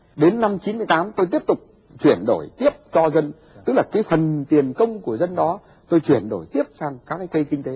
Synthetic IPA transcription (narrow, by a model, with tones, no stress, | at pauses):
ɗe˨˦nːa˧mt͡ɕi˨˦nmɨ˧əjt̪aː˨˦mt̪o˧jt̪i˦˥əp̚t̪ʊ˨˩k͡p̚ | t͡ɕwi˧˩ənɗo˧˩jt̪i˦˥əp̚t͡ɕɔ˧zə˧n | t̪ɨ˦˥k̚laː˨˩kaː˨˦jfə˨˩nt̪i˨˩ənkə˧wŋ͡mku˧˩əzə˧nɗɔ˨˦ | t̪o˧jt͡ɕwi˧˩ənɗo˧˩jt̪i˦˥əp̚saː˧ŋkaː˦˥k̚ːaː˨˦jkə˧jkï˧ŋ̟t̪e˨˦